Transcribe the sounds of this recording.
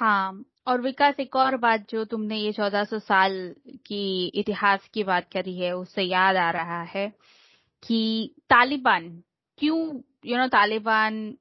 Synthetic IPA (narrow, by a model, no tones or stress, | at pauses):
hãː | ɔːɾʋɪkaːseːkɔːɾbaːt̪̚d͡ʒoːt̪ʊmnejet͡ʃɔːd̪asɔsaːlkiɪt̪ɪhaːskibaːt̪̚kɐɾiɦɛʊsːejaːd̪aːɾɐɦaɦɛː | kit̪aːlɪbaːn | kjũː | jonõːt̪aːlɪbaːn